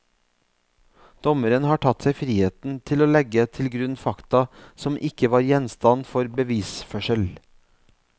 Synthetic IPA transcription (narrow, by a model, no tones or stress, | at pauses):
d̪̥ɔməɾənhɑːʈʰɑt̪sæɪfɾiːheːt̪n̩t̪ʰɪloːlɛɡət̪ʰɪlɡɾʉnfɑkt̪ɑsɔmʔɪkəʋɑːɾjɛnst̪ɑnfɔɾbəʋiːsfœʃəl